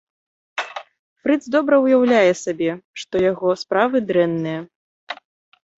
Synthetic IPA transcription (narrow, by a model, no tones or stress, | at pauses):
fɾɨd̪zd̪ɔbɾɐwjawlʲajɛsabʲɛʂt̪ɔjaɣɔspɾavɨd̪ɾɛnːɨjɐ